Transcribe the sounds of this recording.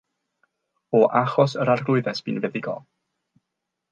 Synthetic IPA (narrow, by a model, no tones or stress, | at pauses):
ɔʔaχɔsəɾarɡlˠʊɨðɛsb̥ḭːnvɛðɪɡɔ̰lˠ